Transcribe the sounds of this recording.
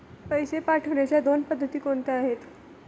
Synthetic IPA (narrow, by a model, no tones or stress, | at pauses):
pəjsepaʈʰəʋɳat͡ɕjad̪onpəd̪ʱːət̪iːkont̪aaɦet̪